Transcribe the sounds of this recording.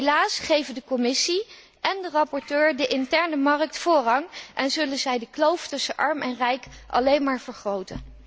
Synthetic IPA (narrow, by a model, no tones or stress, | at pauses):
ɦelaːsχejvəndəkɔmɪsi | ʔɛndərɑpɔɹtøːɹdəʔɪntɛɹnəmɑrək̚tfʊːrɦɑŋʔɛnzɵlənzɛjdəklowftɵsəʔɑɹmɛnrɛjkʔɑ̰lejnmaːɹv̥əɹχrowtə̰n